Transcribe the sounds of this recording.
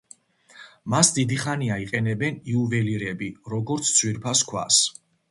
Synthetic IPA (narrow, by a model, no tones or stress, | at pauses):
masd̪id̪iχaniaiqʼɛnɛbɛniuvɛliɾɛbiɾɔɡɔɾt̪sʰtsʰwiɾpʰaskʰwa̰s